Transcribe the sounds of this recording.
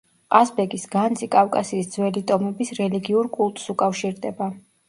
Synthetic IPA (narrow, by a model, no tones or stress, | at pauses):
asbɛɡisɡant̪zʰʼikʼafkʼasiːsd̪zwɛlit̪ʼɔmɛbisɾɛliɡiuɾkʼulˠt̪ʼsukʼafʃiɾd̪ɛba